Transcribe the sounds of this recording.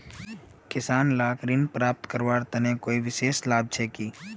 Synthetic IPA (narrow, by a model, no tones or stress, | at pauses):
kɪsaːnlaːkɾiːnpɾaːp̚t̪kəɾʋaːɾt̪ɐnẽkoːiʋɪʃeːslaːb̚t͡ʃʰɛːkiː